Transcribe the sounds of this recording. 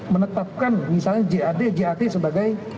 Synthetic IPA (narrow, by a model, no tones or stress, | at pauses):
mənət̪ap̚kanmisalɲad͡ʒeadad͡ʒeat̪esəbaɡaj